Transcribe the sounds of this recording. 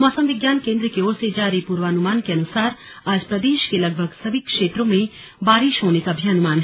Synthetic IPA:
mɔːsəmʋɪɡjaːnkẽːnd̪ɾəkeoːɾsed͡ʒaːɾipuːɾʋaːnʊmaːnkeɐnʊsaːɾ | aːd͡ʒpɾɐd̪eːʃkelɐɡ̚bʱəɡsɐbikʃeːʈɾõmẽ | baːɾɪʃɦoːnekabʱjaɐnʊmaːnɦɛ

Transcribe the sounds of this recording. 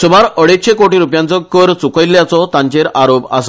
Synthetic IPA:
sumaɾəɽeɕekoʈiːɾupjãnt͡sɔkəɾt͡sukəjlːjat͡sɔt̪ãɲt͡ɕeɾʔaɾopa̰s

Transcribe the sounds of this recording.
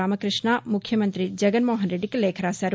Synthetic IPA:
aːmɐkɾɪʃnaːmʊkʰjɐmɐ̃nt̪ɾid͡ʒɐɡənmoːɦənɾeɖikleːkʰɾaːsɐɾ

